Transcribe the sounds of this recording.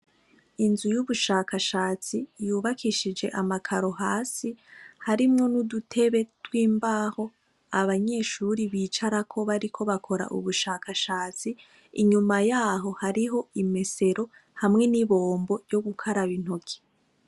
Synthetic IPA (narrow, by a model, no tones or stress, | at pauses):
inzujuβuʃaːkaʃaːt͡sijuːβakʰiʃid͡ʒe̞ʔamakʰaɾo̞haːsihaɾimŋo̞nudutʰe̞βe̞twiːmbaho̞ | aβaɲe̞ːʃuɾiβiːt͡ʃaɾakʰo̞βaɾikʰo̞βakʰo̞ɾa̰ʔṵβuʃaːkʰaʃaːt͡si | iɲumajaːɦo̞haɾiɦo̞ime̞se̞ɾo̞ | hamŋe̞niβo̞ːmbo̞ɾɟo̞ɡukʰaɾaβin̥hokʰi̥